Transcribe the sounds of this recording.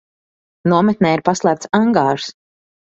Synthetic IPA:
nuɔmɛt̪̚nɛːiɾpaslˠæːp̚t̪saŋɡaːɾs

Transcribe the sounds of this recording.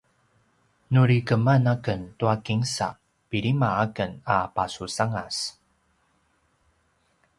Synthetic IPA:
nuɾikəmanakəntuakiŋsa̰ | piɾimaakənapasusaŋas

